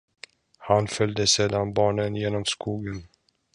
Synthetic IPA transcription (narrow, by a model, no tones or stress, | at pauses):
hanfœld̪əseːd̪anbɑːɳənjeːnɔmskuːɡən